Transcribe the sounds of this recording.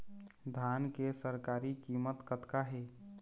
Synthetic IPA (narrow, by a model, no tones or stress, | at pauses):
d̪ʱankesəɾkaːɾikimət̪kət̪kaɦe